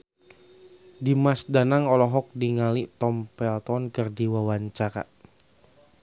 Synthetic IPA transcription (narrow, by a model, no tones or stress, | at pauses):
dimasdanaŋɔlɔɦɔk̚diŋaliʔt̪ɔmpɛlt̪ɔnkɨrdiwawaɲt͡ʃaɾa̰